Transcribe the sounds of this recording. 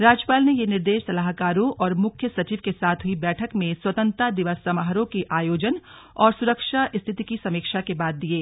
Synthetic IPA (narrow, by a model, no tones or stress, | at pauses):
ɾaːd͡ʒjəpaːlnejenɪɾd̪eːʃsɐlaɦkaːɾõʔʔɔːɾmʊkʰjəsɐt͡ʃiːʋkesaːt̪ʰɦʊibɛːʈʰəkmẽswɐt̪ə̃nt̪ɾad̪ɪʋəsːɐmaɦɾõkeʔaːjoːd͡ʒən | ɔːɾsʊɾəkʃaʔɪst̪ʰɪt̪ikisɐmikʃakebaːd̪̚ːieː